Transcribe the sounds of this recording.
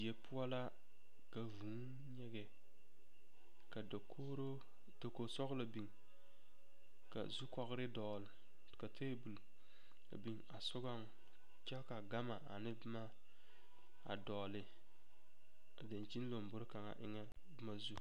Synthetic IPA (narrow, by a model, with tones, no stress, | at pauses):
i˨je˨pu˦a˦la˦ | ka˨vu˨˦n | ɲɛ˨ɡɛ˨ | ka˨o˦ɾo˦ | to˨ko˨sɔ˦ɡla˨bi˨ŋ | ka̰˨zu˦kɔ˦ɣɾɪ˦dɔ˨l | ka˨tʰe˦bu˨l | a̰˨bi˨ŋa˨sʊ˦ɡa˦ŋ | t͡ʃa˦ka˨ɡa˦ma˨a̰˨nɪ˦bma˦ | a̰˨dɔː˨lɪ˨ | a˨da˨nt͡ʃi˦n˦lo˨m˨bʊ˦ɾka˨ŋa̰˨ʔɪ̰˦ŋɛ˦ | bɨ˦ma˦zu˦